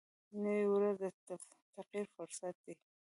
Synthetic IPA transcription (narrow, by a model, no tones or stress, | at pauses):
nəwiwɾaze | t̪aqiɾfʊɾsat̪̚d̪i